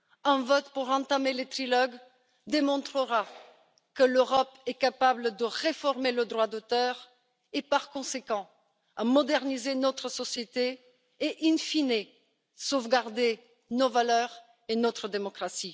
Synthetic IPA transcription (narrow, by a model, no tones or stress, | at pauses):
ɛ̃vɔt̪puʁɑ̃t̪amelet̪χilɔɡ | d̪emɔ̃t̪χəʁa | kəløʁɔpɛkapabləd̪əʁefɔʁmeləd̪ʁwad̪ot̪œʁ | epaʁkɔ̃sekɑ̃ | amɔd̪ɛʁnizenɔt̪χəsɔsjet̪e | eʔinfine | sovɡaʁd̪e | novalœʁ | enɔt̪χəd̪emɔkχasi